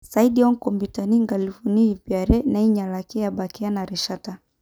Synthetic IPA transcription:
saiɗiɔŋkɔmbitaniŋɡalifuniipiaɾɛnaiɲalakɛjabakɛanaɾɛʃata

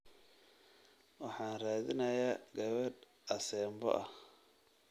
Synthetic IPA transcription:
wɑħɑːnraːðɪnɐjaːɡɐβɐd | ʔɐsɛːmbɔ̰ʔɐh

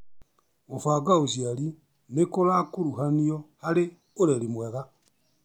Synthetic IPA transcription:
ofaɡaoʃjaɾi | nekoɾakuɾuɦaniɔhaɾe | oɾeɾimwɛɣa

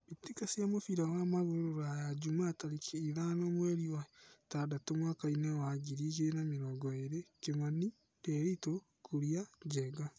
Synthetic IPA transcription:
itikasjamofiɾawamaɣoɾoɾajad͡ʒumataɾikʰeiðanomweɾiatadatomwakainewaɡiɾiɣenameɾɔɡɔeɾekemani | keɾito | kuɾiaɟɛɡa

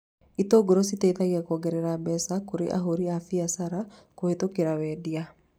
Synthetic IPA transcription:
it̪oɡoɾositɛit̪aɣakɔɡɛɾɛɾabɛsakoɾḛʔa̰ɦoɾiafiasaɾakohet̪okeɾawɛdia

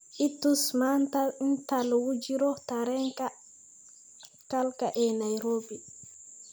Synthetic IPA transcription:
ʔitːusmantantalwud͡ʒiɾɔtaɾɛŋka | kalkaʔɛnajɾoːbi

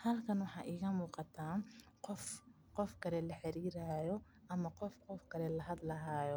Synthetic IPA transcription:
hɐlkʰɐnwɑħɑːʔiːɣɐmuːqɑt̪ʰaːqɔf | qɔfkʰɐlɛlɐħɛɾiːɾaːjɔ | ʔɐmɐqɔfqɔfkʰɐlɛlɐɦɐd̪lɐɦaːjɔ

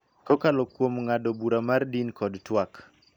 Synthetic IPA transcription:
kokalɔkwomŋadobuɾamardinkɔdtwak

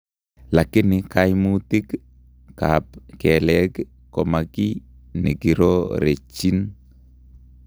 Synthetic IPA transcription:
lakɪnɪkajmutik | kapkɛlɛk | kɔmakinḭkiɾoɾet͡ʃːin

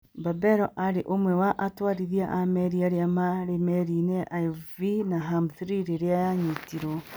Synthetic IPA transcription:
babɛɾɔʔaɾeʔomwɛwaʔatwaːɾiðiaʔamɛɾiaɾeamaɾemɛɾineʔavinaɦamθɾiɾeɾeajaɲitiɾo

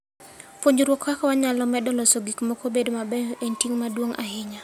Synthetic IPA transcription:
pwoɲd͡ʒɾwokːakɔwaɲalɔmɛdɔlɔsoɡikmɔkobedomabɛentiŋmadwoŋʔa̰ɦɪɲa

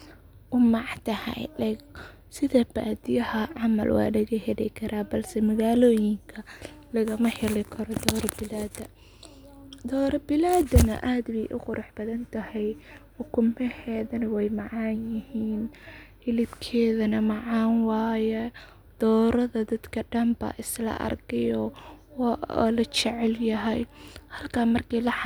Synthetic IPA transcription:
ʔʊmɑʕt̪ʰɐhɐ̰jlɛ | sɪðɐba̰ːd̪ɪjɐhɐʕɑmɐ̰lwɑ̰ːlɐɣɐhɛlɪ̰kʰɐɾʔaːbɐlsɛmɐɣaːlɔːjɪŋkʰɐ | lɐɣɐmɐħɛlɪkʰɐɾɔd̪ɔːɾɐbɪlaːd̪ɐ | d̪ɔːɾɐbɪlaːd̪ɐnɐ̰ʔaːd̪bɛjʔʊqʊɾʔɑħb̥ɐðɐnt̪ʰɐhɛj | ʊkʰʊmɛhɛːðɐnɐwɛjmɑʕɑːnjɪhiːnhɪlɪbkʰɛːðɐnɐmɑʕɑːnwɑːjɛ | d̪̥ɔːɾɐðɐd̪ɐd̪kʰɐɖɐmba̰ːʔɪslɐ̰ʔɐ̰rkɛjɔw̰lɐt͡ʃɛʕɛljɐɦɛjhɐlkʰaːmɐrkʰilɐ

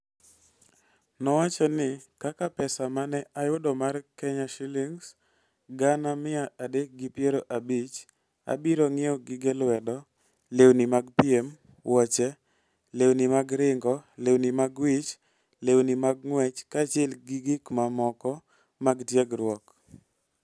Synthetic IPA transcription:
nɔwat͡ʃɔnɪkakapɛsamanɛʔajʊdɔmarkɛɲaʃiliŋs | ɡanamɪaʔadek̚ɡɪpjeɾoʔabit͡ʃ | a̰biɾoŋɪoɡɪɡɛlwɛdɔ | lewnimaɡpiem | wʔɔt͡ʃɛ | lewnimaɡɾɪŋɡɔlewnimaɡwɪt͡ʃ | lewnimaɡ̚ŋwɛt͡ʃkat͡ʃɛlɡɪɡɪkmamɔkɔ | maɡtjeɡɾwɔk

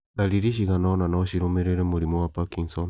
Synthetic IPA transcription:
naliɾiʃ̬iɣanananaːɕiɾomeɾeɾemuɾimowapakiŋson

